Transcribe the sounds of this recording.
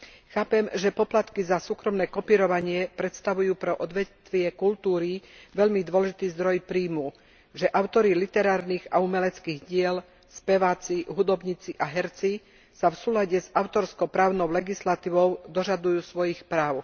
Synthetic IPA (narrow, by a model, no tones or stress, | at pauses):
xaːpɛmʒɛpɔplat̪kizasuːkɾɔmnɛːkɔpiːɾɔʋaɲɪɛpɾɛt̪st̪aʋujuːpɾɛʔɔd̪ʋɛt̪ʋɪɛkult̪uːɾiʋɛʎmid̪ʋɔlɛʒit̪iːzd̪ɾɔjpɾiːmu | ʒɛʔaʊt̪ɔɾilit̪ɛɾaːɾniːɣaumɛlɛt͡skiːɣɟɪɛl | spɛʋaːt͡siɦud̪ɔbɲit͡siʔaɦɛɾt͡si | safsuːlaɟɛzaʊt̪ɔɾskɔpɾaːʊnɔʊlɛɡislat̪iːʋɔʊd̪ɔʒad̪ujuːsʋɔjixpɾaːʊ